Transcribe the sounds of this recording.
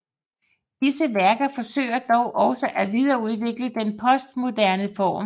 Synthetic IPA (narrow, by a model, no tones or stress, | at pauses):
d̥isəʋæɐɡ̥ɐfɒ̽sø̰ːɪ̰ɐd̥ɒʊʔɒ̽sɒʔæʋið̞ˠɐːuð̞ˠʋe̝ɡ̥ləd̥enpʰɒ̽sd̥mo̝dæɐnəfɒ̰ːm